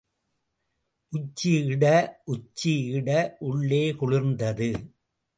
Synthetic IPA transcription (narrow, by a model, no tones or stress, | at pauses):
ʔʊt͡ʃːiɪɽɐʔʊt͡ʃːiɪɽɐʔʊɭːeːkʊɻɪɾnd̪ɐðɯ